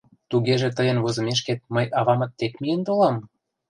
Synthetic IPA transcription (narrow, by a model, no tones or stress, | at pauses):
t̪uɣeʒĕt̪əjə̆nβozɤ̆meʃ̬ket̪̚məjʔɑβɑmɤ̆t̪ːekmijənt̪olɑm